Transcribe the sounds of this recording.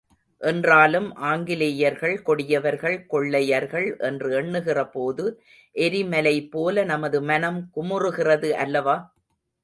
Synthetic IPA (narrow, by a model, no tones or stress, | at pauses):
ʔɛndraːlɯmʔaːŋɡɪlɪjɐɾɣɐɭkɔɽɪjɐʋɐɾɣɐɭkɔɭːɐjɐɾɣɐɭʔɛndrɯɛɳːɯɣɪrɐpoːðɯ | ʔɛɾɪmɐlɐɪpːoːlɐnɐmɐðɯmɐnɐmkʊmʊrɯɣɪrɐðɯʔɐlːɐʋaː